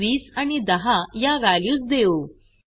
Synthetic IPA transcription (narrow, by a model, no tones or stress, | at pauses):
ʋiːsañid̪əɦajaʋæljuːt͡sd̪eo